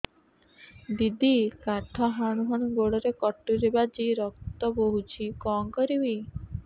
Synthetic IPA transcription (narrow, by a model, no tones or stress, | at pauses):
d̪id̪ikaʈʰɔɦaɽ̃uɦɔɽ̃uɡoɽɔɾekɔʈːuɾebad͡ʒiɾɔk̚t̪ɔboɦut͡ʃʰikɔŋkɔɾibi